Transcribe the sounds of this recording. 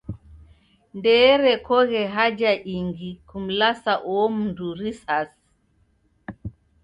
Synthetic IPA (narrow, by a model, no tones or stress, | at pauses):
ndɛɾɛkɔɣɛɦad͡ʒaʔiŋɡikum̩lasaʔɔm̩nduɾisas